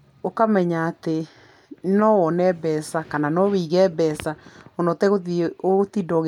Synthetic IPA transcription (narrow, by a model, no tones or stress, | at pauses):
okamɛɲaːte | nɔwɔnɛbɛsakananɔwiɣɛbɛsaonɔtɛɣoiotidɔɣ